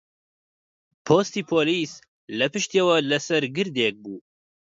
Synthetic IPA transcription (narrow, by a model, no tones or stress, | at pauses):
pʰoːst̪iːpʰoːliːs | lɛpɨʃt̪eːwɛlɛsɛɾɡɨɾd̪ek̚buː